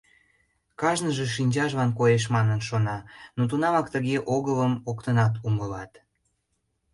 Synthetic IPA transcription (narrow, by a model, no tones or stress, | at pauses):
kɑʒnəʒeʃinʲt͡ɕɑʒβɑnkojeʃ̬mɑnənʃonɑnot̪̬unɑmɑkt̪əɣeʔoɣələmokt̪ənɑt̪̬uməlɑt̪